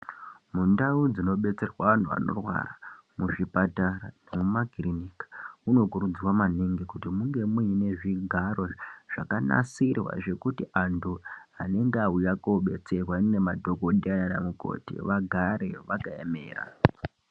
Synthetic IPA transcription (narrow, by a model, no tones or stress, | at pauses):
mundaud͡zino̞ɓe̞t͡se̞rwaʋan̤uʋa̰no̞̰rwa̰ramuʐipataranemumaɡʱirinikḁuno̞kuɾud͡ziwamaneŋɡekutimuŋɡe̞muine̞ʐiɡʱaɾo̞ʐ̥akana̰sirwa̰ʐe̞kutiʔantuɦane̞ŋɡeaujakoɓe̞t͡se̞rwaine̞madʱo̞koɗiananamuko̞̰tḭʋaɡʱaɾe̞ʋakajemeːra̰